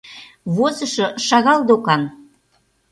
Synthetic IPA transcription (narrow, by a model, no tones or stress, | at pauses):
βozə̆ʃɤ̆ʃɑɣɑld̪okɑn